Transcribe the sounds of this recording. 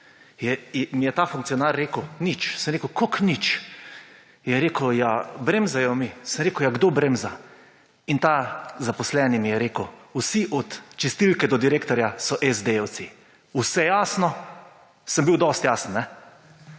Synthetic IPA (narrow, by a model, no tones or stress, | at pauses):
jɛmijɛt̪afuŋk̪̚sijɔnaɾːeːkəwnit͡ʃsəmɾeːkəʊkoknit͡ʃ | jɛɾeːkəwjabɾemzajɔmisəmɾeːkʊjaɡd̪obɾemza | int̪azapɔslɛnimijɛɾeːkəwusiʔɔt̪t͡ʃɛst̪ilkɛd̪ɔd̪iɾeːkt̪ɔɾjasɔʔɛzd̪ew̪si | usɛjaːsnɔ | səmbiwd̪ɔst̪jaːsənnɛ